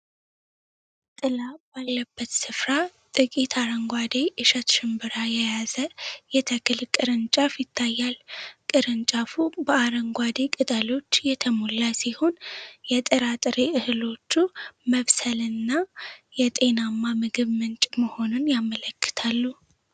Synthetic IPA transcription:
t̪ʼɨlab̥alːəbːət̪sɨfɾat̪ʼɨkʼit̪ʰaɾəŋɡʷad̪e̞ʔɨʃət̪ʃɪmbɨɾajɛjazəjɛt̪ʰəkʰɨlkʼɨɾɨnt͡ʃʼafjɪt̪ʰːajːalkʼɨɾɨnt͡ʃʼafubəaɾəŋɡʷwad̪ekʼɨt̪ʼəlo̞t͡ʃːjɛt̪ʰəmolːasiho̞njɛt̪ʼɨɾat̪ʼɨɾeʔɨhɨlo̞t͡ʃːuməβsəlɨnːajɛt̪ʼe̞namːamɨɡɨβmɨnt͡ʃʼməho̞nunjamələkːɨ̥t̪ʰalːu

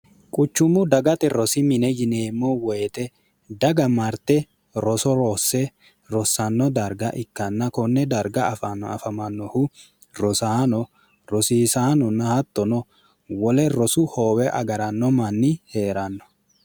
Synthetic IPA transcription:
kʼʊt͡ʃːʊmːʊd̪ɐɡɐt̪ɛɾɔsɪmɪnɛjɪneːmːɔwɛːt̪ɛ | d̪ɐɡɐmɐɾt̪ɛ | ɾɔsɔɾɔsːɛ | ɾɔsːɐnːɔd̪ɐɾɡɐʔɪkːɐnːɐkɔnːɛd̪ɐɾɡɐfɐnɐfɐmɐnːɔhʊ | ɾɔsaːnɔ | ɾɔsiːsaːnɔnːɐhɐt̪ːɔnɔ | wɔlɛɾɔsʊhoːwɛʔɐ̰ɡɐɾɐnːɔmɐnːɪheːɾɐnːɔ̥

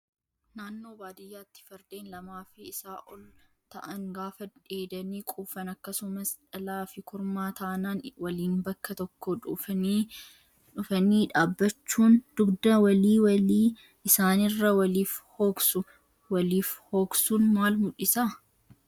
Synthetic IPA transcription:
naːnːo̞ːbaːd̪ɪjːaːt̪ːɪ̥fɐɾd̪̥eːnlɐmaːfɪɪsaːʔɔl | t̪ɐʔɐŋɡaːfɐᶑeːd̪ɐniːkʼuːfɐnɐkːɐsʊmɐsᶑɐlaːfɪkʰʊɾmaːt̪ɐʔɐnaːnwɐliːnbɐkːɐt̪ɔkːoːᶑʊ | ᶑʊfɐniːᶑaːbːɐt͡ʃːuːnd̪̥ʊɡd̪ɐwɐliːwɐiː | ɪsaːnɪrːɐwɐliːfhoːksʊ | wɐliːfho̞ːksuːnmaːlmʊᶑɪsaː

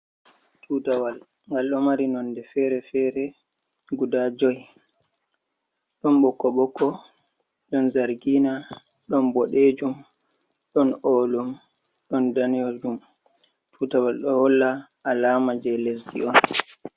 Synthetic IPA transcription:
tʰuːtawal | ŋɡalɗɔmaɾinɔndɛfɛɾɛfɛɾɛ | ɡudad͡ʒɔj | ɗɔnɓɔkːɔɓɔkːɔ | ɗɔnzaɾɡina | ɗɔnbɔɗed͡ʒum | ɗɔnɔːlum | ɗɔndanijɔɗum | tʰuːtawalɗɔhɔlːa | ʔalaːmad͡ʒɛlesdiɔn

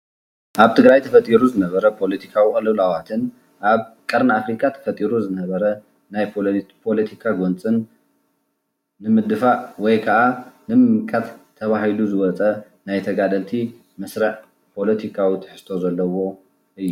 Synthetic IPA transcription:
ʔaβt̪ʰɨɡɾajt̪ʰɐfɐt̪ʼiɾuzɨnɐβɐɾɐpʰo̞lɐt̪ʰi̥kʰawiχʼɨlɨβlawat̪ʰɨn | ʔaβkʼɐɾnafɾikʼat̪ʰɐ̥fɐt̪ʼiɾuzɨnɐβɐɾɐ | najpʰo̞lɐt̪ʰikʰaɡont͡sʼɨn | ɨmɨd̪ɨfaʔwɔjkʰɐʔanɨmɨmkʼːat̪ʰːɐβahiluzɨwɔt͡sʼɐ | najt̪ʰɐɡad̪ɐlt̪ʰi | mɐsɾɐʕ | pʰo̞lɐt̪ʰikʰawit̪ʰɨ̥ħɨ̥st̪ʰo̞zɐlːɐwo̞ | ʔɨjːu

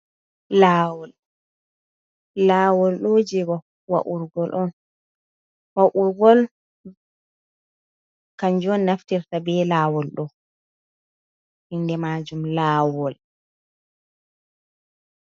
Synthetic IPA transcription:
laːwɔl | aːwɔlɗod͡ʒɛɡɔ | wa̰ʔuɾɡɔlʔɔn | waʔuɾɡɔl | kaɲd͡ʒɔnːaftiɾtabɛlaːwɔlɗɔ | hindɛmad͡ʒumlaːwɔl

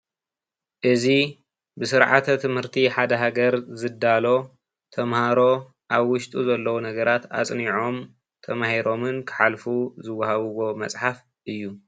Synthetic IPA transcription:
ʔɨzi | bɨsɨɾʕa̰t̪ʰɐt̪ʰɨmhɨɾt̪ʰiħad̪ɐɦaɡɐɾzɨd̪ːalo̞ | t̪ʰɐmhaɾo̞ | ʔaβwʊʃt̪ʼuzɐlːɐwunɐɡɐɾat̪a̰t͡sʼniʕo̞m | t̪ʰɐmahiɾʔo̞mɨnkʰɨ̥ħalfuzɨwːɐhaβɨwo̞mɐt͡sʼħaf | ʔɨjːu

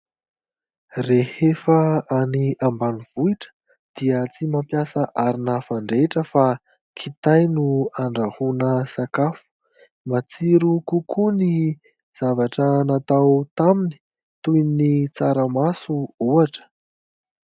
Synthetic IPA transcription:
rehefəaniambaniv̥uiʈ͡ʂə̥ | d̪̥iət͡simampjasəʔaɾinafaɳɖ͡ʐeʈ͡ʂəfa | kʰit̪ajnuaɳɖ͡ʐahunəsakafu̥ | mat͡siɾukukʰuni | z̥avaʈ͡ʂənat̪awt̪amini̥ | t̪ujnit͡saɾəmasuuaʈ͡ʂə̥

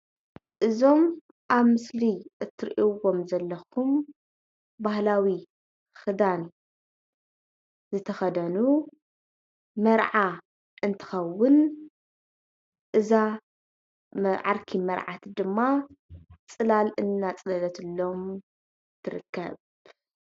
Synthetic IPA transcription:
ʔɨzo̞m | ʔaβmɨsliʔɨt̪ʰːɨɾʔiwo̞mzɐlːɐxʰum | bahlawi | xɨd̪an | zɨt̪ʰɐxɐd̪ɐnu | mɐɾʕa | ʔɨnt̪ʰɨ̥xɐwːʊn | ʔɨza | ʕaɾkʰimɐɾʕat̪d̪ɨmːa | t͡sʼɨlalɨnːat͡sʼɨlɐlɐt̪ʰɨlːo̞m | t̪ʰɨɾɨ̰kʰːɐ̰β

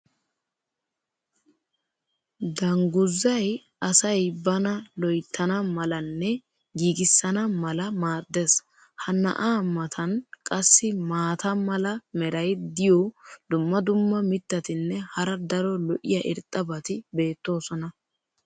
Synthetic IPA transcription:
d̪ɐŋɡʊzːɐj | ɐsɐjbɐnɐlɔjt̪ʰːɐnɐmɐlɐnːɛ | ɡiːɡɪsːɐnɐmɐlɐmaːd̪ːes | hɐnːɐ̰ʔaːmːɐt̪ʰɐnkʼɐsːɪmaːt̪ɐmɐlɐmɛɾɐjd̪ɪjɔd̪̥ʊmːɐd̪ʊmːɐmɪt̪ːɐt̪ɪnːɛhɐɾɐd̪ɐɾɔlɔʔɪ̰jɐʔɪɾt̪ʼːɐbɐt̪ɪbe̞ːt̪ːo̞ːsɔnɐ

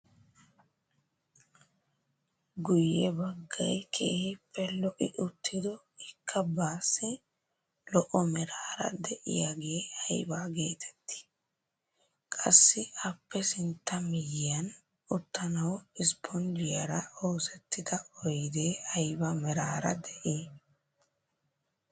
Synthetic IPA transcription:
ɡʊjːɛbɐɡːɐjkʰḛːhɪpʰːɛlɔʔɪʔʊt̪ʰːɪd̪ɔ | ɪkʰːɐbaːsːɪ | lɔʔɔmɛɾaːɾɐ̰d̪ɛʔɪ̰jaɡejɐjbaːɡe̞ːt̪ʰɛ̥t̪ːɪ̥ | kʼɐsːɪɐpːɛsɪnt̪ːɐmɪjɪjɐn | ʊt̪ːɐnɐwɪspʰɔnd͡ʒɪjɐɾɐoːsɛt̪ːɪd̪ɐɔjd̪eːɐjbɐmɛɾaːɾɐ̰d̪ɛʔieː

